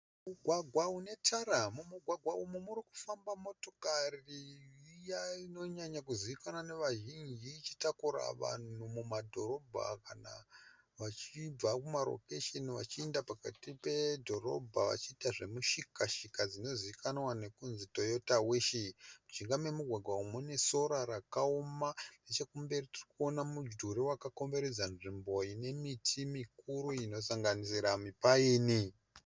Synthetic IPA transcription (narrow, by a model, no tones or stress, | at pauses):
muɡʱwaɡʱwaune̞taɾamumuɡʱwaɡʱwaumumuɾiku̥fambamo̞to̞kariijaino̞ɲaɲakuziʋikanwane̞ʋaʒind͡ʒiːt͡ʃitakuɾa̰ʋa̰n̤umumadʱo̞ɾo̞bʱa̰kana̰ | ʋat͡ʃib͡vakumaɾo̰keʃeniʋa̰t͡ʃiendapaka̰tipe̞dʱo̞ro̞̰bʱaʋa̰t͡ʃiːtaʐe̞muʃikaʃikad͡zino̞ziʋikanwane̞kunzito̞jo̞taweːʃimut͡ʃiŋɡamwe̞muɡʱwaɡʱwaumene̞so̞ɾaɾakaomanet͡ʃe̞kumbe̞ritirikuo̞namud͡ʒdʱuɾiwakako̞mbe̞ɾed͡zanʐimbo̞ine̞mitʰimikuɾuino̞saŋɡanisiɾamipaiːni